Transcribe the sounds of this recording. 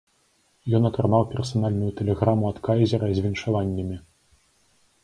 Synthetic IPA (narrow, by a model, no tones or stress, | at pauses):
jɔnɐt̪ɾanawpʲɛrsanalʲnujut̪ɛlʲɛɣɾamuat̪kajzʲɛɾɐzʲvʲinʂavanʲːɐmʲi